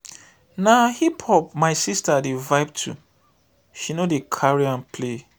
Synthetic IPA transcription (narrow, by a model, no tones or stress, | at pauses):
nahiphɔp̚maɪsistadevaɪb̚tʰṵ | ʃinodekʰaɹiãnpʰle